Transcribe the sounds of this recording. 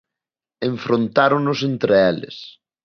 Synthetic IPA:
ẽɱfɾont̪aɾonʊsent̪ɾeelɪ̰s

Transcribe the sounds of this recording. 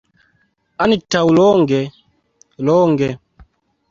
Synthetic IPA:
anitawlɔŋɡɛ | lɔːŋɡɛ

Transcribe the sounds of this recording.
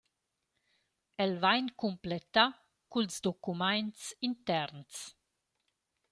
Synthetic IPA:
ɛlvajnkumplet̪a | kulzd̪okumajnsint̪ɛɾns

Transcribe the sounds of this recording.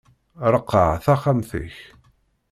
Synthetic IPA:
ɾˤəqːə̰ʕθaχamθə̰ç

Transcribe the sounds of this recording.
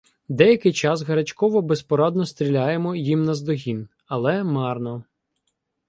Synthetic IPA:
d̪ɛjɐkɪjt͡ʃɑsɦɐɾɐt͡ʃkɔʋɔbespɔɾɑd̪nɔst̪ɾʲilʲajemɔjimnɐzd̪ɔɦʲin | ɐlˠɛmɑrnɔ

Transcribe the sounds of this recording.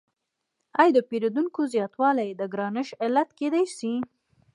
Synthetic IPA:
ajd̪əpeɾad̪uŋkozjɑt̪wɑlajd̪əɡɾɑnɪʃɪlat̪ked̪ajsi

